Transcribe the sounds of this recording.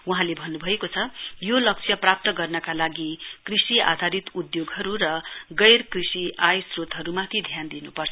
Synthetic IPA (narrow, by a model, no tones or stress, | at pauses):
wuɦãlebʱʌnːubʱʌekot͡sʰʌjolʌk̚t͡sʰjʌprap̚t̪ʌɡʌrnʌkalaɡikrisia̰d̪ʱaɾit̪ud̪joɡɦʌɾuɾʌɡʌjrkrisiajsrot̪ɦʌɾumãt̪ʰid̪ʱjand̪inupʌrt͡sʰʌ